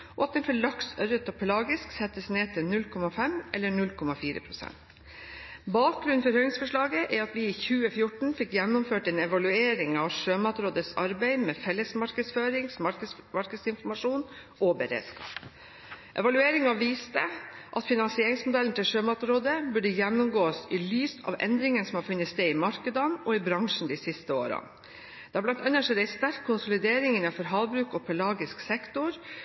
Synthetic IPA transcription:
ʔɔɑt̪̚d̪ɛnfɔɭɑksœɾət̪ɔpʰlɑːɡɪsksɛt̪əsneːt̪ʰɪlnʉlkʰɔmɑfɛmʔɛlːəɳʉlkʰɔmɑfiːɾə̰pʰɾʊsɛ̰nt̪ | bɑːk̚ɡɾʉnfɔɾhœʏlɪŋsfɔʂɭɑːɡəʔɛɾɑt̪ʋɪiːçʉːəfjʊʈɳ̩fɪkːjɛnːʊmføːʈɛnɛʋɑlʉeːɾɪŋɑʋʂøːmɑt̪ɾoːd̪əsɑɾbæɪmɛfɛlːəsmɑɾkəsføːɾɪŋsmɑ | mɑɾkəsɪnfɔɾmɑʂuːn | ʔɔbəɾḛːd̪skɑ̰ːp | ʔɛ̰ʋɑlʉeːɾɪŋɑʋiːst̪əʔɑt̪fɪnɑnsɪeːɾɪŋsmʊd̪ɛln̩t̪ɪlʂøːmɑt̪ɾoːd̪əbʉɖəjɛnːʊmɡoːəsɪlyːsɑ̰ʋʔɛ̰nd̪ɾɪŋənsɔmhɑɾfʉnːət̪st̪eːɪmɑɾkəd̪ɑnɔɪbɾɑŋʂn̩d̪ɪsɪst̪əo̰ːɾɑ̰n | d̪̥ɛɑblɑnt̪ɑnːəʂɔd̪æɪst̪æɾkʰːʊnsʊlɪd̪eːɾɪŋɪnɑnfɔɾɦɑːʋbɾʉːkɔpʰɛlɑːɡɪsksɛkt̪ʊɾ

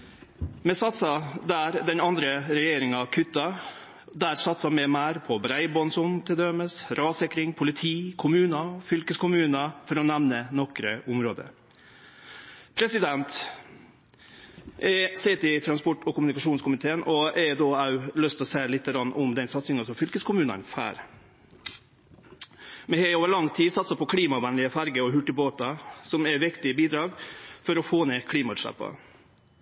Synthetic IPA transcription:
mɛsɑt̪sɑd̪æɾd̪ɛnɑnd̪ɾəɾɛjeːɾɪŋɑkʰʏt̪ːɑ | d̪æːɾsɑt̪sɑmɛmæːɾpʰɔbɾæɪbɔnsʊnt̪ʰɪld̪ɛməsɾɑːsɛkɾɪŋpʰʊlɪt̪ʰiːkʰʊmʉːnɑfʏlkəskʰʊmʉːnɑfɔɾɔnɛʋnənɔkɾəʔʊmɾoːd̪ə̰ | pʰɾɛsɪd̪ɛnt̪ | ʔɛsɛt̪ɪt̪ʰɾɑnspɔʈːɔkʊmʉnɪkɑʂuːnskʰʊmɪt̪ʰeːənɔɛd̪oːɑʉlœst̪ɔseːlɪt̪ːəɡɾɑnːʊmd̪ɛnsɑt̪sɪŋɑsɔmfʏlkəskʰʊmʉːnɑ̰nfæ̰ːɾ | mɛhɛoːʋəɭɑŋt̪ʰiːsɑt̪sɑpʰɔkʰliːmɑʋæːnlɪəfæɾɡəɔɦʉʈːəboːt̪ɑsɔmɛʋɪkt̪ɪbiːd̪ɾɑːɡfɔɾɔfoːneːkʰliːmɑʉʂæ̰pːɑ̰

